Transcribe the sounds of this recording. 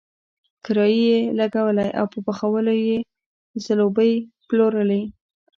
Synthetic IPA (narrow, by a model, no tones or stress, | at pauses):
kɪɾɑjijelaɡawəlajʔa̰wpəpaxawəloje | zalobəjploɾəli